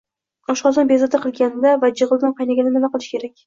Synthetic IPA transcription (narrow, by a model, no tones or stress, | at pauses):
ɒʃqɒlˠd̪ɪnbezɒd̪aqʰɨlˠɡʲand̪avad͡ʒɨʁɨlˠd̪ɪnqʰɑjnaɡʲanɪnɪmaqɨlˠɪʃkʲʰe̞ɾakʲ